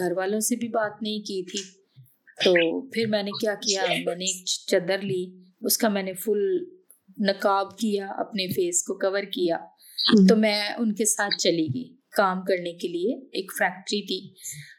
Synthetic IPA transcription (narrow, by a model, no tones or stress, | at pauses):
ɡʱɐɾʋaːlõsebʱibaːt̪nɐɦĩkit̪ʰi | t̪oːpʰɪɾmɛ̃ːnekjaːkijamɛ̃ːneeːk̚t͡ʃɐd̪əɾli | ʊskamɛ̃ːnefʊl | nɐkaːbkijaɐ̰pnefeːskokɐʋəɾkijaː | t̪omɛ̃ːʊnkesaːt̪̚ʰt͡ʃɐliɡiː | kaːmkɐɾnekelieeːkfɾɛːk̚ʈɾit̪ʰiː